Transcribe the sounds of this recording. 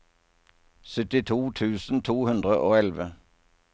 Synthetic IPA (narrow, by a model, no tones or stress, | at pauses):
sʏt̪ɪt̪ʰuːt̪ʰʉːsn̩t̪ʰuːhʉnd̪ʁəʔoːɛlʋə